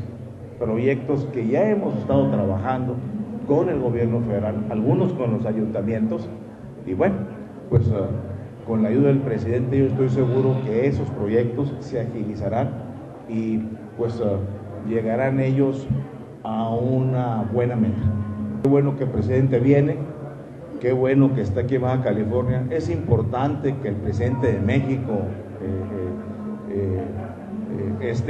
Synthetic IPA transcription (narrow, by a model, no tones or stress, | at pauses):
pɾo̞ʝe̞k̚t̪o̞ske̞ʝae̞mo̞se̞st̪að̞o̞t̪ɾaβaxand̪o̞ko̞ne̞lɣo̞βje̞ɾno̞fe̞ðeɾalalɣuno̞sko̞nlo̞saʝunt̪amje̞nt̪o̞s | iβwe̞no | pwe̞s | ko̞nlaːʝuðaðelpɾe̞siðe̞nt̪eʝo̞est̪o̞js̬e̞ɣuɾo̞ke̞eso̞spɾo̞ʝe̞k̚t̪o̞sːeaxilisaɾan | ipwe̞s | ʝe̞ɣaɾane̞ʝo̞s | aunabwe̞nament̪akeβwe̞no̞ke̞lpɾesiðe̞nt̪e̞βje̞ne̞ | ke̞βwe̞no̞ke̞ːst̪aakiβaxakalifo̞ɾnjaʔe̞simpo̞ɾt̪ant̪e̞ke̞ːlpɾesiðe̞nt̪e̞ðe̞me̞xiko | e | est̪